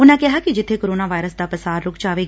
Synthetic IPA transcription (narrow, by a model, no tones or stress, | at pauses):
ʊnɛ̃kɪɦakid͡ʒɪt̪ʰːekoɾoːnaːʋaːɪɾəsd̪apəsaːɾːʊkt͡ʃaːʋeː